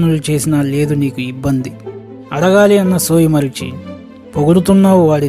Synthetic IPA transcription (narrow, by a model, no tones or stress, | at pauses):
nulut͡ʃe̞ːsinɐle̞ːd̪uniːkuibːɐnd̪i | ɐɽɐɡaːliɐnːɐsoːjimɐɾit͡ʃḭ | poɡuɽut̪unːaːwʋaːɽi